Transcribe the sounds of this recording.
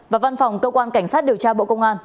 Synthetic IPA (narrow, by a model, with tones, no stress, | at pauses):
vaː˨˩va˧nfa˨˩wŋ͡mkəː˧kwaː˧nka˧˩jŋ̟saː˦˥t̚ɗi˨˩əwt͡ɕaː˧ɓo̰˧˨kə˧wŋ͡mʔaː˧n